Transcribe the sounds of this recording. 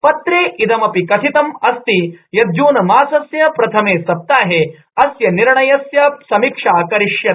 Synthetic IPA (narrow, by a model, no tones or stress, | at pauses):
pɐt̪ɾeːʔid̪ɐmɐpikɐsʰit̪ɐmɐst̪ijɐd̪juːnɐmaːsɐsjɐpɾɐt̪ʰɐmeːsɐp̚t̪aːɦe | ɐsjɐniɾɳɐjɐsjɐsɐmikʂaːkɐɾiʂjɐ